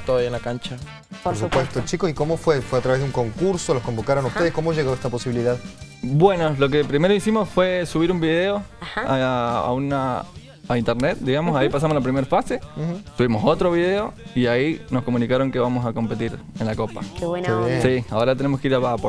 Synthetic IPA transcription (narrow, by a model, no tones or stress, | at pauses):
t̪oaienlakant͡ʃa | poɾsupwest̪ot͡ʃikosikomofwefweat̪ɾaβezðeuŋko̞ŋkuɾsolohko̞mbokaɾonausteðesko̞moʒeɣoest̪apo̞siβiliðað | bwe̞no̞lo̞k̬e̞pɾime̞ɾoisimo̞sfwe̞suβiɾumbiðeoahaa̰a̰una | aint̪eɾnet̪̚d̪iɣamosaipas̬amo̞slapɾime̞ɾfasesuβimo̞so̞t̪ɾo̞βiðe̞o̞iaino̞sko̞munikaɾo̞ŋke̞βamo̞s̬ako̞mpe̞t̪iɾenlakopa̰keβweneβjesiaoɾat̪enemokeiɾaapo